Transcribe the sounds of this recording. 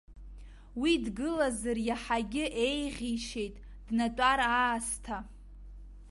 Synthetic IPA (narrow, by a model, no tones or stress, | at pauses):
widɡɨlazarjaħaɡʲɪʔe̞jʁʲiʃe̞jtʼ | d̥natʼaɾaːstʰa